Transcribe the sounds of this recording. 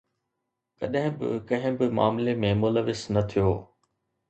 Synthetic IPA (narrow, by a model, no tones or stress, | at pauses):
kɐɗɦɪ̃bɪ̰kɐ̃ɦɪ̃bɪmaːmlemẽmʊləʋɪznɐt̪ʰijoː